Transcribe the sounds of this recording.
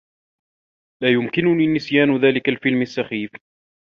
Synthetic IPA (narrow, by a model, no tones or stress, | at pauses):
laːjʊmkɪnʊniːnɪsjaːnʊðaːlɪkalfɪlmasːaxiːf